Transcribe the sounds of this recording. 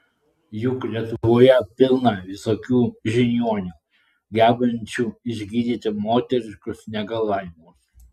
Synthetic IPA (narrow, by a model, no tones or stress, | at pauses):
jʊklʲiɛt̪ʊʋoːjɛpʲɪlˠnɐʋʲɪsokʲuːʒʲɪnʲjoːnʲuː | ɡʲæːbɐnʲt͡ʃʲuːɪʒʲɡʲiːd̪ʲit̪ʲɪmoːt̪ʲɛɾʲɪʃkʲʊsnʲɛɡɐlɑːjɪmʊs